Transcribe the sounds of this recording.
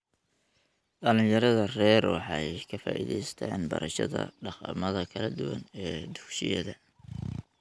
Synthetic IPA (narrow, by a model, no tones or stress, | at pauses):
ɖɐlɪ̃ŋjɐɾɐðɐrɛːɾwɑħɑjkʰɐfaːʔiːðɛjst̪ʰaːnbɐ̰ɾɐʃɐðɐ̰ɖɑqɑmɐðɐkʰɐlɐd̪ʊwɐnɛːd̪ʊkʃɪ̰jɐ̰ðɐ